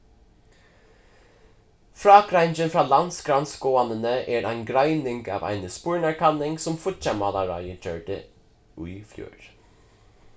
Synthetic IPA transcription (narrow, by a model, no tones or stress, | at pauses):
fɾɑːkɾæɪnd͡ʒənfɹɑːlɑnsɡɾɑnsɡoːɑnənəʔeːɹæɪnɡɾæɪnɪŋɡɑ̰ːvæ̰ɪnəspuːɹɳæɹkʰɑnɪŋsɔmfʊtt͡ʃɛmɑlɑɹɑ̰ɪjəçøːɹɖə̰ | ʉfjṵːɹ